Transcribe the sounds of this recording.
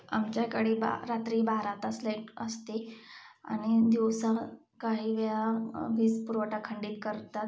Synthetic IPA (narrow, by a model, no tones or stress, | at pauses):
amt͡ɕjakaɽiːba̰ɾat̪ɾiːbaɾat̪aslejʈəst̪ea̰ɽ̃id̪iʋsa | kaɦiːʋɛɭaʋiːspuɾʋəʈakʰəɳɖiːt̪kəɾt̪at̪